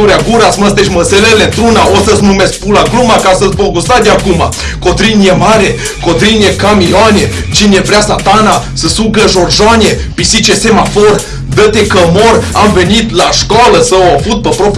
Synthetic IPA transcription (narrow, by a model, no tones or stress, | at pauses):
uɾʲeaɡuɾasməst̪eʃməselelent̪ɾunaosəsnumeskpulaɡlumakasəsboɡust̪ad̪ʲakuma̰ | kot̪ɾinjemaɾe | kot̪ɾinjekamianʲe | t͡ʃinevɾʲeasat̪anasəsuɡəʒorʒanʲjepisit͡ʃesemafor | d̪ət̪ekəmoramvenit̪laʃkaləsəafut̪̚pəpɾop